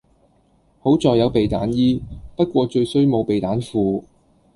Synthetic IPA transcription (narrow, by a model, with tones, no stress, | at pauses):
ho˨˥wt͡sɔː˨jɐ˨˧wpe˨jt̪a̰ː˨˥njiː˥pɐ˥t̚kʷɔː˧t͡ʃɵ˧ɥsɵ˥ɥmo˨˧wpe˨jt̪aː˨˥nfuː˧